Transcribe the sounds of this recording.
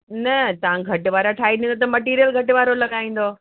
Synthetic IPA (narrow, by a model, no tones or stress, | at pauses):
nɐt̪ɐʋãɡʱɐʈʊʋaːɾaʈʰaːiɗĩnd̪ot̪ɐmɐʈiːɾijəlɡʱɐʈʋaːɾolɐɠaːĩːn̆d̪o